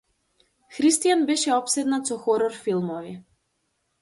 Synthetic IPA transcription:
xɾist̪ijanbɛʃɛɔpsɛd̪nat̪sɔxɔɾɔɾfilˠmɔvi

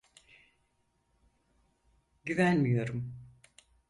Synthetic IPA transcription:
ɟyvænmijo̞ɾum

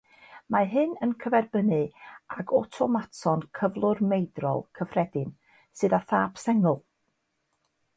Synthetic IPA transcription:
maɦɨnənkʰəvɛrbənɨaɡɔtʰɔmatʰɔnkʰəvlˠʊrmejdrɔ̰lˠkʰəfrɛdɪn | sɨðaθaːpsɛŋʊlˠ

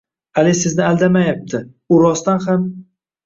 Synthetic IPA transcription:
alɪsɪznɪalˠd̪amajap̚t̪ʰɪ | ʊɾɒst̪anham

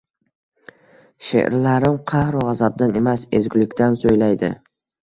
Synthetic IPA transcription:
ʃḛʔɾlaɾɪmqʰɑhɾʁɑzab̚d̪ane̞masḛzɡʲʊlɪkʲt̪ansojlajd̪ɪ̰

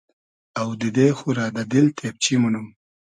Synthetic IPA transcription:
awd̪əd̪exuɾɑd̪ad̪ɪlt̪ʰep̚t͡ʃimʊnum

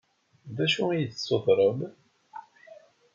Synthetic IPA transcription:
ðæʃuijəθsːoðˤɾˤəm

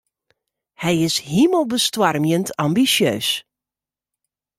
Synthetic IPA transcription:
hɛjɪshiməlˠbəstwarmjəntʰambisjøːs

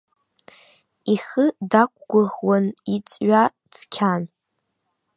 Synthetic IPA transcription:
iχədakʷʰʼɡʷʊʁwanit͡sʼɥa | t͡sʰkʲʰan

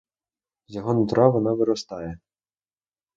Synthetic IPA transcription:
zʲjɔɦɔnʊt̪ɾɑʋɔnɑʋɪɾɔst̪ɑjɛ

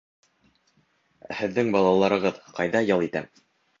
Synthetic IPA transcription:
æhɘ̆ðːɘŋbɑlˠɑlˠɑɾɤ̆ʁɤðqɑjðɑjɤlˠit̪æ̰m

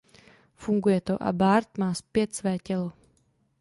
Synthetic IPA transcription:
fuŋɡujɛt̪oʔa̰baːɾt̪maːspjɛt̪svɛːcɛlo

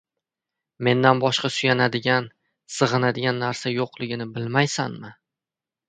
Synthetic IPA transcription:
me̞nd̪anbɒʃqɑsʊjanad̪ɪɡʲan | sɨʁɨnad̪ɪɡʲanːaɾsajoqlˠɪɡʲɪnɪbɪlmajsanmɪ

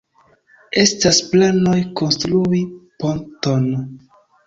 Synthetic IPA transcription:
e̞stasplano̞jko̞nstɾuiponton

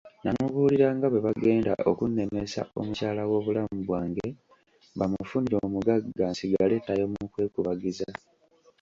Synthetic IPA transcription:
namuβuːliɾaːŋɡaβwe̞βaɡe̞ːnda̰ʔo̞kunːe̞me̞sa̰o̞̰mucaːlawo̞ːβulamuβwaːŋɡe̞ | βamufuniɾo̞ːmuɡaɡːaːnsiɡale̞ːtajo̞mukwe̞ːkuβaɡiza

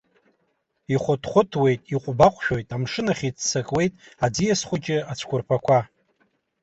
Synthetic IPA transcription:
iχʷʊtʰχʷʊtʰwe̞jtʼiqʷʼʊbaqʷʰʼʃᶣojtʼamʂɨnaχʲit͡sʰsakʼwe̞jtʼad͡zijasχʷʊt͡ʃʲʼɪat͡ʃʷʰkʷʊrpʰakʷʰa

